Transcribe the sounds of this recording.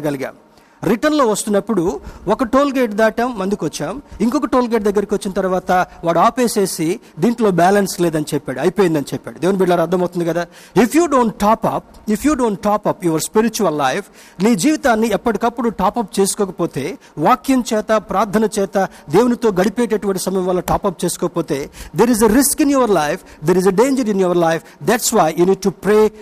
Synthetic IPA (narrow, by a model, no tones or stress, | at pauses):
ɡɐliɡa̰ːm | ɾiʈɐnlo̞ːʋɐst̪unːɐpːuɽuɔkɐʈoːlɡeːʈd̪aːʈɐmːɐnd̪ikʋɐt͡ʃːaːmiŋkɔkɐʈoːlɡeʈ̚d̪ɐɡːɐɾikiʋɐt͡ʃːinɐt̪ɐɾuʋaːt̪ɐʋaːɽuaːpe̞ːse̞ːsi | d̪iːɳʈlo̞ːbɛːlɐnsle̞ːd̪ɐnit͡ʃɛpːaːɽuɐjpoːjind̪ɐnit͡ʃɛpːa̰ːɽud̪eːunibiɖlaːɾɐɾd̪ːɐmɐwt̪und̪ikɐd̪aː | ipʰjuːɖo̞ːɳʈʈaːpɐp̚ipʰjuːɖoːɳʈʈːaːpɐpjuːʋɐɾspiɾit͡ʃuɐlːɐjpʰ | niːd͡ʒiːʋit̪aːnːiɛpːɐʈikɐpːuɽuʈaːpɐp̚t͡ʃe̞ːsu̥kɔːkɐpo̞ːt̪e̞ː | ʋaːkjɐmt͡ʃɛːt̪ɐpɾaːɾt̪ʰɐnɐt͡ʃɛːt̪ɐ | d̪e̞ːwunit̪o̞ːɡɐɽipeːʈ̬eʈuʋɐɳʈ̬isɐmɐjɐ̃mʋaːlːɐʈaːpɐp̚t͡ʃe̞ːsu̥kɔːkɐpoːt̪e̞ːd̪eːɾizeɾiskinjuʋɐɾlɐjpʰ | d̪eɾizeɖeːɲd͡ʒɐɾinjuʋɐɾlɐjpʰd̪ɛʈsʋaːjjuːniːɖ̚ʈupɾeː